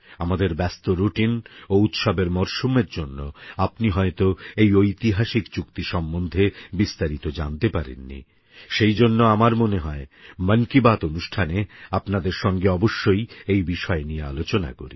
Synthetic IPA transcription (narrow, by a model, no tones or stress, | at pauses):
amad̪eɾbɛst̪oɾuʈinout̪ʃabeɾmɔɾʃumeɾd͡ʑonːoapniɦɔet̪oejojt̪iɦaʃikt͡ɕukt̪iʃɔmːond̪ʱebist̪aɾit̪od͡ʑa̰nt̪epaɾḛnːḭ | ʃejd͡ʑonːoamaɾmoneɦɔemənkibat̪onuʃʈʰaneapnad̪eɾʃɔŋɡeɔboʃːojejbiʃɔenijea̰lot͡ɕona̰ko̰ɾḭ